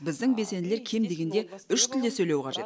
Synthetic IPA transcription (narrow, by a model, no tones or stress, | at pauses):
bɪzd̪ɪŋbesenɪle̞ɾkʲʰe̞md̪e̞ɡʲe̞nd̪e̞ʏʃt̪ʰɪld̪e̞sɵjle̞wqʰɑʒe̞t̪